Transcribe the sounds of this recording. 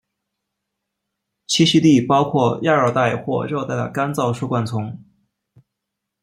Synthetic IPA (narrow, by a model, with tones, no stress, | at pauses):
t͡ɕʰi˥ɕi˥t̪i˥˩pɑ˥ʊkʰwɔ˥˧ja˥˧ə˞˥˧t̪a˥˩ɪxwɔ˥˧ɻjʊt̪a˥˩ɪd̪ə̰˩ka˥nt͡sɑ˥˧ʊʂu˥˧kwa˥˩nt͡sʰʊ˧˥ŋ